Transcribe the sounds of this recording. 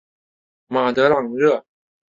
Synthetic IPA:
ma˨˩t̪ɤ˧˥lɑ˨˩ŋɻɤ˥˩

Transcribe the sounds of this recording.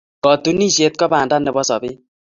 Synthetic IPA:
kɔ˨tu˦ni˦˨ʃe˦t̪̚kɔ˦baː˨nda˦nɛ˨bɔ˦sɔ̰˨bɪ˦

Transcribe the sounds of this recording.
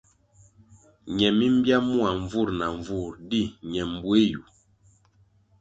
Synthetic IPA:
ɲɛ˨mi˦m˦bja˦mu˦a˨ɱ˨vu˦˨ɾna˨ɱ˨vu˦˨ɾdi˦˨ɲɛ˨m˨bwe˦ju˨

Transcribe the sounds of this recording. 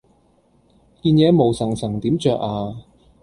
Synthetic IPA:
kiː˧njɛː˨˥mo˨˩wsɐ˨˩ŋsɐ˨˩ŋt̪iː˨˥mt͡ʃœː˨k̚aː˧

